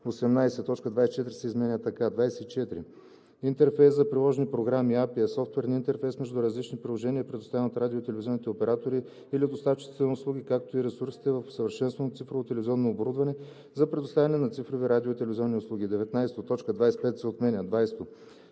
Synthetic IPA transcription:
osɛmnajsɛt̪ɔt͡ʃkəd̪vajsɛt͡ʃɛt̪iɾi̥sɛizmɛnʲət̪ɐkad̪vajsɛ̥t̪it͡ʃɛt̪ɾḭ | int̪ɛɾfɛjszzɐpɾilˠɔʒɛnipɾoɡɾamiapiɐsɔft̪wɛɾnint̪ɛɾfɛjsmɛʒd̪uɾɐzlit͡ʃnipɾilˠoʒɛnʲiəipɾɛd̪ʊst̪avʲɛnot̪ɾad̪iot̪ɛlɛvizʲɔnit̪ɛopɛɾat̪oɾiː | lid̪ost̪at̪t͡ʃi̥t̪ɛnʊslˠuɡ̟ʲikak̚t̪oiɾɛsuɾsi̥t̪ɛvɐfsɐvɐɾʃɛnst̪vɐnot̪sifɾovot̪ɛlɛviziɔnːoːboɾud̪vɐnɛ | zɐpɾɛd̪ʊst̪avʲɐnɛnɐt̪sifɾoviɾad̪iot̪ɛlɛvizʲɔnːiʊslˠuɡ̟ʲid̪ɛvɛt̪najsɛ̥t̪ot̪ɔt͡ʃkəd̪vajsɛ̥pɛt̪sɛot̪mɛnʲəd̪vajst̪o

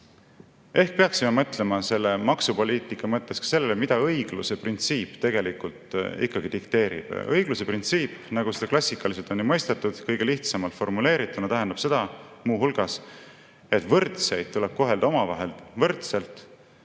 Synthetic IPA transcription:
e̞hk̚pe̞ɑksime̞mɤt̪ːle̞mɑse̞lːe̞mɑksupo̞lʲiːt̪ˑikˑːɑmɤt̪ːˑe̞skɑ̥se̞lːelemid̪̥ɑɤjɡ̥luse̞print̪siːpːt̪e̞ɡe̞likult̪ḭkːɑɡ̥id̪ikt̪e̞ːɾḭb̥ɤjɡ̥luse̞print̪siːpːˑnɑɡused̪ɑklɑsʲːikːɑlis̬elt̪ˑo̞nːimɤjst̪et̪ːˑud̪̥kɤjɡ̥e̞liht̪sɑmɑlt̪fo̞rmule̞ːɾit̪ːˑunɑt̪æɦend̪ɑb̥se̞d̪̥ɑmuːɦulɡ̥ɑs | e̞t̪ːvɤrt̪se̞jd̪̥̚t̪uleb̥̚ko̞ɦe̞ld̪̥ɑomɑvɑ̰ɦe̞lvɤrt̪se̞lt̪ˑ

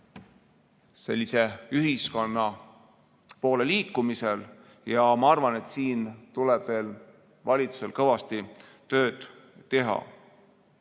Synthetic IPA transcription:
se̞̰lʲːise̞yɦisko̞nːɑ | po̞ːle̞liːkːˑumise̞l | jɑmɑɑrvɑne̞t̪siːnt̪uleb̥ve̞ːl | vɑlʲit̪su̥se̞lkɤvɑst̪i | t̪ø̞ːd̪̥ː | e̞ɦɑ̰

